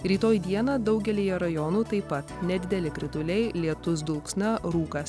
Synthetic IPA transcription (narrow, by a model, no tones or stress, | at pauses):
ɾʲiːt̪oːjd̪ʲiɛnɐd̪ɒʊɡʲɛlʲijɛɾɐjɔnuːt̪ɐɪpɐt̪nʲɛd̪ʲɪd̪ʲɛlʲɪkɾʲɪt̪ʊlʲɛɪlʲiɛt̪ʊs̬d̪ʊlˠksnɐɾuːkɐs